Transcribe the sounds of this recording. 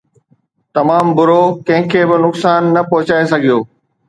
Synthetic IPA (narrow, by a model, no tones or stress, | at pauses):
t̪ɐmaːmbʊɾokɐ̃ɦɪ̃kʰeːbɪnʊksaːnːɐpɐɦʊt͡ɕaːesɐɡʱijoː